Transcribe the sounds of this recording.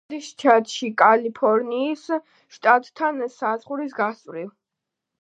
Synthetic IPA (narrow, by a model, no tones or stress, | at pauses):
d̪ist͡ʃʰat̪ʼʃikʼalipʰɔɾniːs | ʃt̪ʼat̪ʼt̪ʰansazʁuɾis̬ɡasʼvɾiv